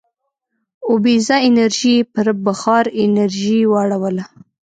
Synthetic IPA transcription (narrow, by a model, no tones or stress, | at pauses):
ʊbizaɪnaɾʒipəɾbaxɑɾɪnaɾʒiwaɽawəla